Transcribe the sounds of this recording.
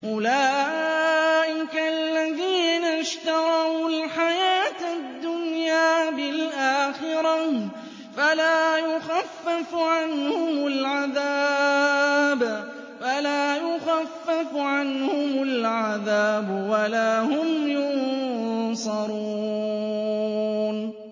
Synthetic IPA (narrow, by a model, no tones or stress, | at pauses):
ʔʊlaː | ʔɪkaʔalːaðiːnaʃt̪ɑɾˤɑwlħajaːt̪d̪ːʊnjaːbɪlʔaːxɪɾɑ | falaːjʊxafːafʕanhʊmʊlʕaðaː | b | falaːjʊxafːafʕanhʊmʊlʕaðaːbwalaːhʊmjʊn | sˤɑɾuː | n